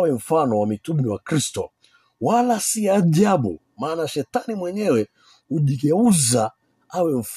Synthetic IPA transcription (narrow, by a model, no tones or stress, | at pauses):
wɛɱ̩fanɔwamitumɾiwakɾistɔ | walasiaʄaɓṵ | maːnaʃɛtanimwɛɲɛwɛ | uʄiɡɛuza | awɛm̩f